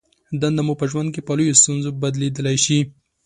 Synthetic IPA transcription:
d̪and̪amupəʒwand̪̚kepalujost̪unzobad̪led̪əlajʃi

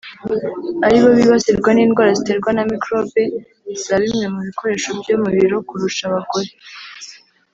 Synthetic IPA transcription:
aɾiβo̞βiβaseɾɡwaniːnɡwaːɾazite̞ɾɡwanamikɾo̞be̞ | z̥aɾimɲe̞muβiko̞ɾe̞ʃo̞bɟo̞muβiɾo̞kuɾuʃaβaɡo̞ɾe

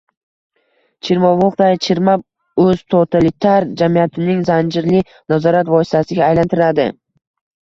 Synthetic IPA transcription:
t͡ʃʰɪɾmɒvɒqd̪ajt͡ʃʰɪɾmap̚ | ɵz̥t̪ʰot̪ʰalɪt̪ʰaɾd͡ʒamijat̪ʰɪnɪŋzand͡ʒɪɾlɪ | nazɒɾat̪vɒsɪ̥t̪ʰasɪɡʲaːjlant̪ʰɪɾad̪ɪ̰

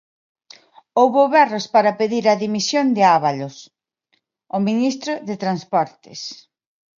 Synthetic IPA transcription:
owβoβɛrospaɾɐpeðiɾɐðimisjond̪ɪaβalʊs | ominist̪ɾʊðet̪ɾanspɔɾt̪ɪ̰s

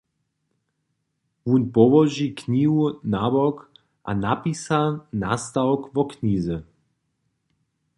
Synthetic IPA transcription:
wunpɔʋɔʒikɲiːɦunabɔk | ʔa̰napisana̰st̪aɔkvɔkniːzə

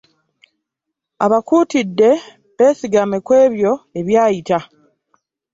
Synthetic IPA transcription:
aβakuːtidːe̞ | βe̞ːsiɡamekwe̞ːβjo̞e̞βjaːjita

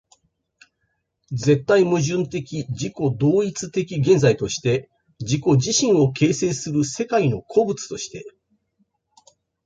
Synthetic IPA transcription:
d͡ze̞t̪ːaimɯ̟ʑɨ̃nt̪e̞kʲid͡ʑiko̞d̪o̞ːit͡sɨt̪e̞kʲiɡẽ̞nd͡zait̪o̞ɕi̥t̪e̞ | d͡ʑiko̞d͡ʑiɕĩɰ̃o̞kʰe̞ːse̞ːsɨɾɯ̟se̞kaino̞kʰo̞bɯ̟t͡sɨ̥t̪o̞ɕi̥t̪e̞

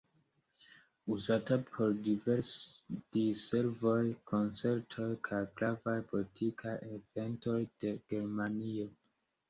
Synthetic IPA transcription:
uzatapʰo̞ɾdive̞ɾsd̥ise̞ɾvojkʰo̞nt͡se̞ɾtʰo̞jkʰajɡɾavajpolitʰikʰajeve̞nto̞jd̥e̞ɡ̥e̞ɾmanio

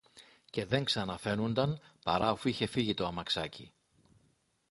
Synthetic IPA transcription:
ce̞ðe̞ŋksɐnɐfe̞nund̪ɐnpɐɾɐofuiçe̞fiʝit̪oɐmɐksɐcḭ

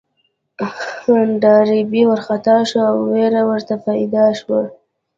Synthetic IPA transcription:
ɖɑɾibiwəɾxat̪ɑʃoawːeɾawəɾt̪apɑjd̪ɑʃwa

